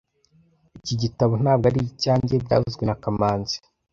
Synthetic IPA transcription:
iciɟitaβon̥aːb̚ɡaɾiicaːɲɟebɟa̰ːhuzɡwenakamaːnzi̥

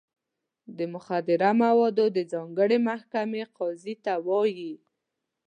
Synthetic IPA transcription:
d̪əmʊxad̪ɪɾamawɑd̪od̪əzɑŋɡəɽemahkameqɑzit̪awɑji

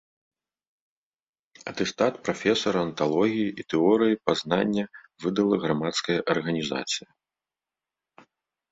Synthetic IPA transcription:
ɐ̰t̪ɛst̪at̪̚pɾafʲɛsɐɾɐɐnt̪alˠɔɣʲijiʔit̪ɛɔɾɨjipaznanʲːɐvɨd̪ɐlˠɐɣɾamat̪skɐjɐʔɐrɣɐnʲiza̰t̪sɨjɐ

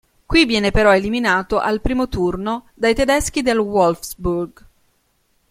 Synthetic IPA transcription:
kwivːjɛːnepeɾɔeliminaːt̪oʔalpɾiːmot̪urnod̪ajt̪ed̪ɛsk̟id̪elwɔlfsburɡ

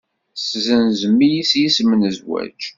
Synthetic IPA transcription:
szənzəmːijisjismənəzwæ̰t͡ʃ

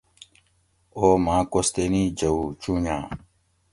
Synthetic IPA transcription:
oːmãːkost̪enĩːd͡ʑɐut͡ɕũːɲã̰ː

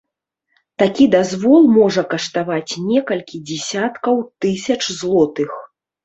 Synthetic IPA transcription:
t̪akʲid̪azvɔlˠmɔʐɐkɐʂt̪avat͡sʲnʲɛkɐlʲkʲid͡zʲɛsʲat̪kɐwt̪ɨsʲɐt͡ʂzlˠɔt̪ɨx

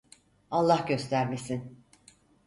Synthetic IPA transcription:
alˠːahɟø̞st̪ʰæɾmesin

